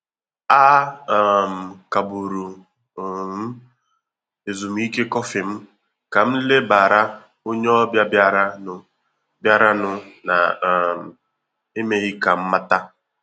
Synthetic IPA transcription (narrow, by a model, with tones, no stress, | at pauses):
a˦˨ | m̩˨ka˨bu˨ɾu˨ | m̩˦ | e˨zu˨m̩˦i˦ke˦kɔ˦fɪ˨m̩˦ | ka˨m̩˦le˦ba˨ɾa˦ | o˦ɲe˦ɔ˦bja˦bja˦ɾa˦nʊ˨ | bja˦ɾa˦nʊ˨na̰˨m̩˨ | e˦me˦ɣɪ˦ka˨m̩˦ma˦ta˦